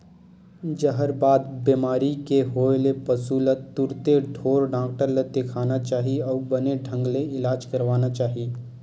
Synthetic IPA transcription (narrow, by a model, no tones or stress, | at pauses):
d͡ʒəɦəɾbaːd̪biːmaːɾikeɦoːlepɐsuːlət̪ːʊɾt̪eɖʱoːɾɖaːkʈəɾlet̪ekʰaːnat͡ʃaːɦiɔːbɐneɖʱə̃ŋɡleɪlaːd͡ʒkɐɾʋaːnat͡ʃaːɦiiː